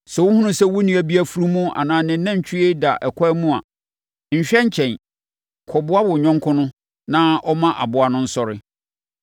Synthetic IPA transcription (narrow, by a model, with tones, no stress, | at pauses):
sɛ˨wʊ˦hʊ̃˦nʊ̃˦sɛ˦wʊ˦nĩ˨˦æ˨bi˦æ˦fu˦ɾu˦mʊ̃˦a̰˨nãː˨nɪ̃˨˦nã˦ɲ̩˨t͡ɕʰᶣɪ˦e˦da˨ʔɛ˨kʷʰɔ˦mũ˦a̰˨ | ɲ̩˨ɕᶣɛ˦ɲ̩˦t͡ɕʰɛ̃˨n | kʰɔ˨bʊ˦a˦bʊ˨ɲᶣɔ̃˦ŋkʰʊ̃˦nʊ̃˦ | nã˦ʔɔ˦mã˦ʔa̰˨bʊ˨˦a˨nʊ̃˦n̩˦sɔ˦˨ɾɪ˦